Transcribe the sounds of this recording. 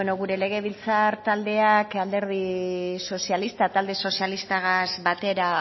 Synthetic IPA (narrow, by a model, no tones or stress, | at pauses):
enoɣuɾe̞le̞ɣ̞e̞β̞ilt͡saɾt̪ald̪e̞akald̪e̞ɾð̞iso̞sialist̪at̪ald̪e̞so̞sialist̪aɣazbat̪e̞ɾa